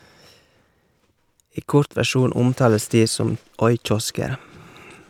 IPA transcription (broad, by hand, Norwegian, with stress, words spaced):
ˈiː ˈkʊɾt ʋæˈʃuːn ˈʊmˌtɑːləs ˈdiː ˈsɔm ˈɔʏˌc͡çɔskəɾ